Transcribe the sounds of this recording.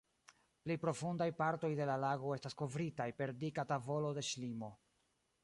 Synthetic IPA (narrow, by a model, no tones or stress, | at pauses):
plipɾo̞fundajpaɾto̞jde̞lalaɡo̞e̞stasko̞vɾitajpe̞ɾdikatavo̞lo̞de̞ʃlimo̞